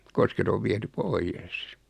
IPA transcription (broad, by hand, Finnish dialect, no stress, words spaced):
kosket oʋ ʋiɛty poijes